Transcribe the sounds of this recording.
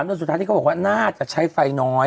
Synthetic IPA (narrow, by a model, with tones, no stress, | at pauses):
d̪st̪ʰːaː˦˥t̪ʰiː˥˧˥bɔ˨˩wa˥˩naː˥˩t͡ɕa˨˩ʔt͡ɕʰa˦˥jfa˧jnɔː˦˥